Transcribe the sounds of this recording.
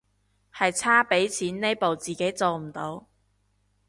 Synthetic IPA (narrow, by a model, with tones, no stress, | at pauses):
hɐ˨jt͡sʰaː˥pe˨˥jt͡sʰiː˨˥nne˥jpo˨wt͡siː˨ke˨˥jt͡so˨wm̩˨˩t̪o˨˥w